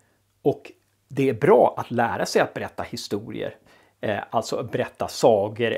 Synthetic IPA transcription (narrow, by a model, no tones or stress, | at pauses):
ɔk | d̪ɛæɾbɾɑːʔat̪læːɾasɛjat̪̚bɛɾɛt̪ːahɪst̪uːɾɪ̰ə̰ɾ | alt̪sɔbɛɾɛt̪ːasɑːkəɾ